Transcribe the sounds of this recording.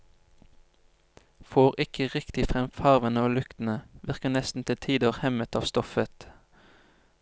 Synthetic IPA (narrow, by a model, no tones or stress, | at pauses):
foːʁɪkʰəʁɪkt̪ɪfʁɛmfɑʁʋənəoːlʉkt̪n̩əʋɪʁkənɛst̪n̩t̪ʰɪlt̪ʰiːd̪əʁhɛmət̪ɑːʋst̪ɔfət̪